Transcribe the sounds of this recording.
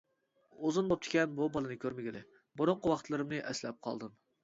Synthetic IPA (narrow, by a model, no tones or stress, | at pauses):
ozɨnbop̚t̪ʰɪ̥kʲɛnbubɑlˠɨnɨkʲʰøɾmɪɡʲɪlɪ | bʊɾʊɴqəwɑχt̪lˠɨɾɨmnɨʔɛslɛp̚qʰɑ̰lˠd̪ɨm